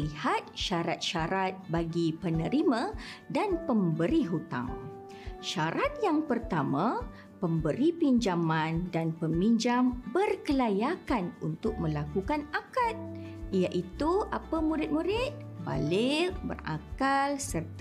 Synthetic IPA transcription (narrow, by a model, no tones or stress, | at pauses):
lihat̪̚ʃaɾat̪̚ʃaɾat̪̚baɡipənə̃ɾimãdanpəmbəɾiɦut̪a̰ŋ | ʃaɾat̪̚jaŋpərt̪amã | pəmbəɾipiɲd͡ʒamãndanpəmiɲd͡ʒambərkəlajakanunt̪ʊk̚mə̃lakukanakat̪̚ijaʔit̪uʔapamuɾɪt̪̚muɾɪt̪̚ | ba̰lɪrbə̰ra̰kalsərt̪